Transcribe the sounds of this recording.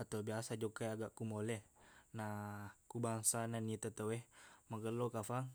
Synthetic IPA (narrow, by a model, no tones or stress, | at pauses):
at̪obiasad͡ʒokajaɡaʔkumolɛhnakubaŋsananit̪at̪awɛhmaɡəlokafaŋ